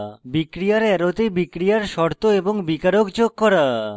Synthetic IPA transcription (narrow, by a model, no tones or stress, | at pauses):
bikɾijaɾɛɾot̪ebikɾijaɾʃɔɾt̪oeboŋbikaɾokd͡ʑoɡ̚kɔɾa